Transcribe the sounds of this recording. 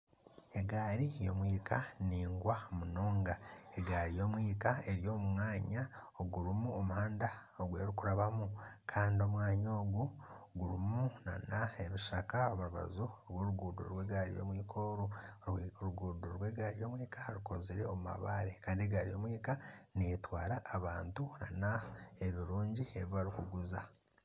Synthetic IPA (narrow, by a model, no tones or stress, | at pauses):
e̞ɡaːɾijo̞mwiːkʰaniːŋɡwamuno̞ːŋɡaeɡaːɾijo̞mwiːkae̞ɾjo̞ːmumaːɲaoɡuɾumuomuhaːnda | oɡwe̞̰ːɾikuɾaβamukʰaːndio̞mwaːɲo̞ːɡuɡuɾumuna̰naeβuʃakaoβaɾuβa̰zuoβwoɾuɡuːdo̰ɾwe̞ːɡaːɾḭjo̰mwiːkʰo̞ːɾu | ɾuɡuːdoɾweːɡaːɾijo̞mwiːkaɾikoziɾeomuma̰βaːɾe̞kaːndieɡaːɾijo̞ːmwiːkaneetwaːɾaːβaːntunanaeβiɾuːɲɟieβiβaɾikuɡuza